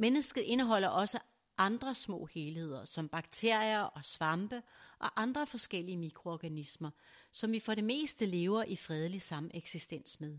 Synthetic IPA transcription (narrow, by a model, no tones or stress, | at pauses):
menəsɡ̥ð̩ˠʔe̝nəɦɒ̽l̰ɐʔɒ̽sə | ʔɑ̈nd̥ʁɐsmɔ̰̽ːhe̝ːlhe̝ð̞̰ˠɐsɒ̽mb̥ɑ̈ɡ̥t͡sʰe̝ɐ̰jɐʔɒ̽sʋɑ̈mb̥əʔɒ̽ʔɑ̈nd̥ʁɐfɒ̽sɡ̥el̰iəmikʰʁo̝ɒɡ̥ænismɐ | sɒ̽mʋifɒ̽ɾe̝me̝̰ːsd̥əle̝ːʊɐʔifʁɛð̞ˠəlisɑ̈mʔeɡ̥sisd̥en̰smeð̞ˠ